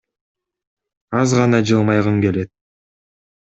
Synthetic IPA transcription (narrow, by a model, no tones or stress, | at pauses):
ɑzʁɑnɑd͡ʒɯlˠmɑjʁɯŋɡe̞le̞t̪̚